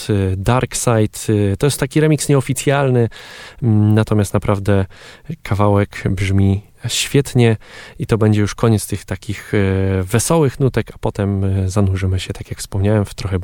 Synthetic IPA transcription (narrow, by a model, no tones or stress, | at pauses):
d̪aɾksajt̪t̪ɔjɛst̪ːakʲiɾɛmʲiksɲɛɔfʲit̪sʲjalnɘ | nat̪ɔmʲjast̪napɾʔavd̪ɛkʰavawɛkbʐmʲi | ɕfʲjɛt̪ɲɛit̪ɔbɛɲd͡ʑɛjuʂkɔɲɛt̪st̪ɘxt̪akʲixvɛsɔwɘxnut̪ɛkḁpɔt̪ɛmzanuʐɘmɘɕɛt̪akʲjakfspɔmɲawɛmft̪ɾɔxɛ